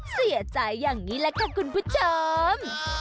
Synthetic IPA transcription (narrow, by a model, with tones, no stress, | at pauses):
si˨˩˦ət͡ɕa˨˧˩jːaː˨˩ŋːiː˨˦˥lɛː˦˥kaː˧˩kʰu˧npʰu˦˥t̚t͡ɕəː˧m